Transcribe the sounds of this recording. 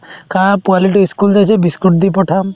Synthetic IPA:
kapualiʈiskuld͡ʒajt͡ʃʰebiskuʈ̚d̪ipɔʈʰam

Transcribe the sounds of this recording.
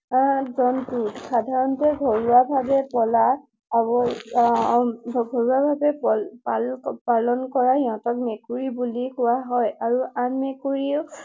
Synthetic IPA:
zɔntutsadʱaɹɔntɛɡʱoɹuabʱabɛpɔla | bɔ | ɡʱoɹuwabʱabɛpalpalɔnkɔɹaɦiɔ̃tɔk̚mekuɹibulikʊwaɦɔjaɹuanmekuɹiu

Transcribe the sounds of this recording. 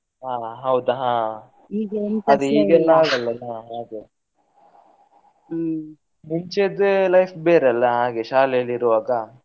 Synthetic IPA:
ɦaːɦɐwd̪uɦãː | iːɡɐd̪uiːɡɛlːaːɡɐlːɐnɐɦaːɡ̪e | miɲt͡ʃed̪lɐjpʰbeːɾɐlːɐɦaːɡeʃaːleɐliɾuʋaːɡa

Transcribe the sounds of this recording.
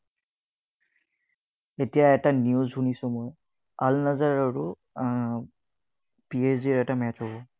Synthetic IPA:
etijaɛtanijuzɦunisʊ̃moj | alnazaɹaɹʊ | piesdiɹɛtamɛtɦɔbɔ

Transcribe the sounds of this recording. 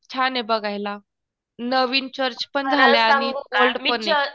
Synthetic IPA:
t͡ɕʰanebəɡʱajla | nəʋiːnt͡ɕəɾt͡ɕpəɳd͡zʱaljaːñiolɖpəne

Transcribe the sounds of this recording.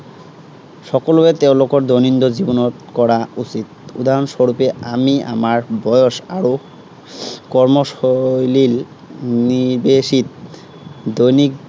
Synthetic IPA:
ʃɔkoloet̪ewlokoɾd̪ojnind̪od͡ʑibonotkɔɾaut͡ɕit̪̚ṵd̪aɾonʃoɾupeamia̰maɾbɔjoʃaɾo | kɔɾmoʃojlil | nibeʃit̪ | d̪ojnik̚

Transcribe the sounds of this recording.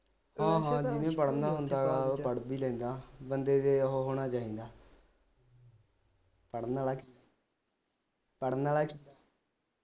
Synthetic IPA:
hãːɦãːd͡ʒɪnẽːpəɽnaːɦʊnd̪aːɡaːpəɽbiːlɛ̃ːnd̪aːbənd̪eːd̪eːɦoːɦoːɽ̃aːt͡ʃaːĩːnd̪aː | pəɽnaːlaːk | pəɽnaːlaːk

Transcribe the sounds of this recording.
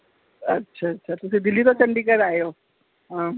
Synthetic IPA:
ɐ̰tːʃʰaɐtːʃʰat̪ʊsed̪ɪlːit̪ot͡ʃɐ̃ɳɖikɐɾaːjoː | ɦãː

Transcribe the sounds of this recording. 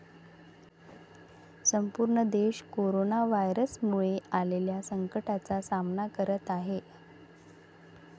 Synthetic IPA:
səmpuɾɳəd̪eɕkoɾonaʋajɾəsmuɭealeljasəŋkəʈat͡sasamnakəɾət̪aɦe

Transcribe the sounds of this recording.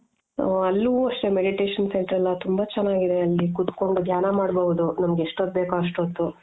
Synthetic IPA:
ɐlːuʋuɐʂʈɾe̞meɽiʈe̞ːʂɐnseɳʈɐɾɐlːɐt̪umbɐt͡ʃɛnːaːɡid̪e̞ɐlːikut̪koɳɖud̪ʱjaːnɐmaːɖbɐʋud̪unɐmɐɡeeʂʈot̪̚beːkuɐʂʈot̪ːu

